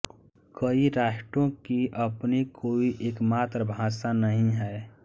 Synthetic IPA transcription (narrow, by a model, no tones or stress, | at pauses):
kəiɾaːʃʈõkiʔəpnekʰoːiʔeːkmaːt̪ɾəbʱãːsanəɦĩɦɛː